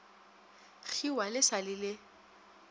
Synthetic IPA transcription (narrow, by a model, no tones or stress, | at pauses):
ɣʰiwalɪsalɪlɪ